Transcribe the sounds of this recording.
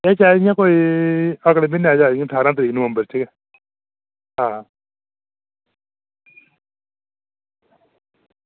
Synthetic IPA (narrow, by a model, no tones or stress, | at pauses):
ɛːt͡ʃaːjãːkoːiːəklemɪnaːd͡ʒaːãt̪ʰaːɾãːt̪əɾiːknʊəmbəɾt͡ʃʰəkɛ | ɦãː